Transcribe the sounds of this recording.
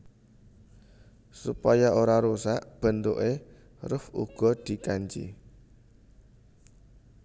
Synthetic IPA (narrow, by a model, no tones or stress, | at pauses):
sṵpajaʔoɾaɾosaʔb̥ə̤nt̪oʔe | rəfṵɡ̥ɔ̤d̪̥i̤kaɲt͡ʃḭ